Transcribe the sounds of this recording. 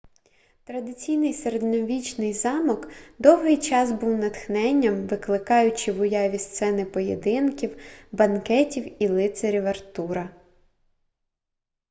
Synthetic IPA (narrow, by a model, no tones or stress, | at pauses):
t̪ɾɐd̪ɪt͡sʲijnɪjseɾed̪nɔʋʲit͡ʃnɪjzɑmɔkd̪ɔwɦɪjt͡ʃɑsbuwnɐt̪xnɛnʲːɐmʋɪklˠɪkɑjʊt͡ʃɪʋʊjɑʋʲist̪sɛnɪpɔjed̪ɪnkʲiwbɐnkɛtʲiwilˠɪt̪seɾʲiʋert̪uɾɐ